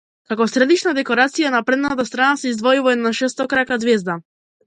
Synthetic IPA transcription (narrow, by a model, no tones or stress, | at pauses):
kakɔsɾɛd̪it͡ʃnad̪ɛkɔɾat̪sijanapɾɛd̪nat̪̬ast̪ɾanasɛizd̪vɔjuvaɛd̪naʃɛst̪ɔkɾakad̪zvɛzd̪a